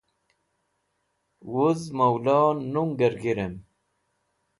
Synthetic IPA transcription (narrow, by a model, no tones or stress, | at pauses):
wuzmawlanuŋɡəɾɡiɾem